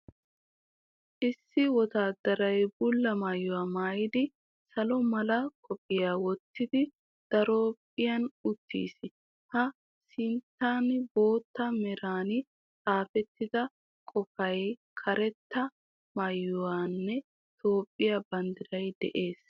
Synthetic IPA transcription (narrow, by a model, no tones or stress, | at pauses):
ʔɪsːɪwɔt̪aːd̪ːɐɾɐjbʊlːɐmaːjːʊwaːmaːjɪd̪ɪ | sɐlɔmɐlɐkʼɔpʼːɪjaːwɔt̪ːɪd̪ɪ | d̪̥ɐɾopʼːɪjɐnʊt̪ːḭːsɪ | hɐ | sɪnt̪ːaːnbo̞ːt̪ːɐmɛɾaːnɪ | t͡sʼaːfɛt̪ːɪd̪ɐ | kʼɔfɐj | kʰɐɾɛt̪ːɐ | majːʊwaːnːɛ | t̪ʰo̞ːpʼːɪjabɐnd̪ɪɾɐjd̪ɛ̰ʔe̞ːs